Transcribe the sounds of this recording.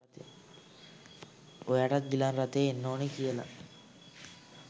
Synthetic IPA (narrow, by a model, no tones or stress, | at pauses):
t̪e | ojaʈat̪̚ɡilanrat̪eːenːoːnekijəla̰